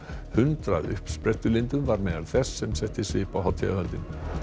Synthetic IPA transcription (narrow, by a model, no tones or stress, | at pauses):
hʏnt̪ɾa̰ðʏ̰hpspɾɛht̪ʏlent̪ʏmvaɾmɛːðaɾθɛsːɛmsɛht̪ɪsɪpawhawt̪ʰɛaœnt̪ɪn